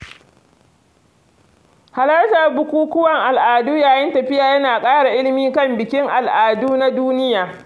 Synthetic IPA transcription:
ha˨lɐ˦rta˨rbʊ˦kʷuː˦kʷʊ˦wɐ˨ŋʔa˨lʔaː˨duː˦jaː˨jɪ˦ntɐ˨ɸɪ˦jaː˨jɐ˦naː˨kʼaː˦ɽa˨ʔɪ˦lɪ˦miː˦kɐ˦˨mbɪ˨kʲɪ˦ŋʔa˨lʔaː˨duː˦na˦duː˦nɪ˦jaː˨

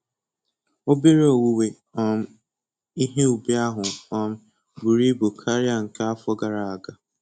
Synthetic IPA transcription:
o˦be˦ɾo˨wu˦we˨ | ɔ˨m̩˦ | i˦ɦe˦u˨be˦a˦ɦʊ˨ɔ˨m̩˦ | bu˨ɾi˦bo˨kʰa˦ɾi˦a˨ŋ̩˨ka˦a˦fɔ˦ɡa˨ɾa˨a˨ɡa˨

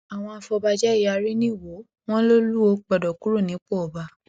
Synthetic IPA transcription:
a˨w̃ɔ̃˧a˨fɔ˧ba˧d͡ʒɛ˦i˦˨a˧ɾi˦nĩ˦˨wo˨˦ | w̃ɔ̃˦lo˦lu˦o˧˦k͡pɔ˨dɔ˨ku˦ɾo˦˨nĩ˨˦k͡po˦˨ɔ˨ba˧

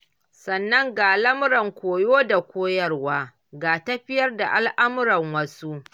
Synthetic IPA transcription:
sɐ˨nːɐ˦ŋɡaː˨lɐ˦mʊ˦ɾɐ˨ŋkʷoː˨joː˦da˨kʷoː˦jɐ˦rwaː˦ | ɡaː˨tɐ˦ɸɪ˦jɐ˦rda˨ʔa˦lʔa˦mʊ˦ɾɐ˨ŋwɐ˦su˦ʔ

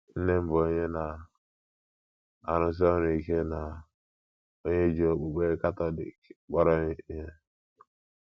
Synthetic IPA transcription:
n̩˦ne˦m̩˦bo˨˦ɲe˦na˨ | a˨ɾʊ˨s̬ɪ˦ɔ˦ɾi˨ke˦na˨ | o˦ɲe˦d͡ʒi˨o˨k͡po˨ɡ͡be˦ka˦tɔ˦lḭ˨kk͡pɔ˦ɾɔ˦i˦ɦe˦

